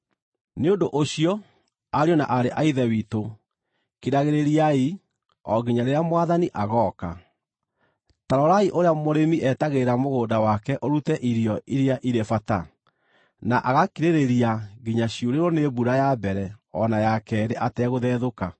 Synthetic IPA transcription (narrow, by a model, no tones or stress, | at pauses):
neondoʔoɕiɔ | aɾjɔna̰ʔaɾeʔaiðɛwiːto | kiɾaɣeɾeɾiai | ɔɡiɲaɾeamwaðaniʔaɣɔːka̰ | taɾɔɾaiʔoɾeamoɾemiʔɛtaɣeɾamoɣoːdawakɛʔoɾutɛʔiɾijɔiɾeaʔiɾefata̰ | naʔaɣakiɾeɾeɾiaɡiɲaɕioɾeɾɔnebuɾajabɛɾɛɔnajakɛɾeʔatɛɣoðɛːðoka